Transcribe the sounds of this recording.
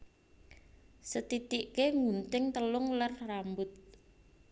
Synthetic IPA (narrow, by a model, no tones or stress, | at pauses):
sət̪it̪iʔkeŋunt̪ɪŋt̪əlʊŋlarrambʊt̪̚